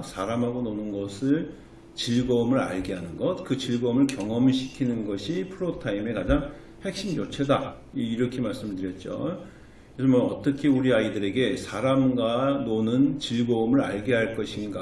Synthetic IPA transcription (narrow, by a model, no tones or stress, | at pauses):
sʰaɾamɦaɡononɯnɡʌsʰɯɭ | t͡ɕiɭɡʌmɯɾa̰ɭɡeɦanɯnɡʌt̚kɯt͡ɕiɭɡʌmɯɭkjʌŋʌmiɕ̬ʰi̥kʰinɯnɡʌɕʰipʰɯɾotʰaime̞kad͡ʑaŋ | he̞k̚ɕ͈imjot͡ɕʰe̞da | iɾʌkʰemaɭs͈ɯmɯɭtɯɾjʌt̚t͡ɕ͈o̰ | esʰʌmoʌt͈ʌkʰe̞uɾiaidɯɾe̞ɡe̞sʰaɾamɡwanonɯnt͡ɕiɭɡʌumɯɾa̰ɭɡeɦaɭk͈ʌɕʰinɡa